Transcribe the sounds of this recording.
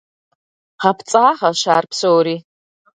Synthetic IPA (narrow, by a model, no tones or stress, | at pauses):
χapʰt͡sʼaːʁɐʃaːrpʰsowɾi